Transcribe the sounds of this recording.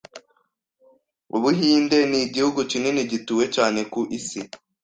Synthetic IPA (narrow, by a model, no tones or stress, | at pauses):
uβuɦiːnde̞niɟihuɡucineniɟituːwe̞caːne̞kuʔisi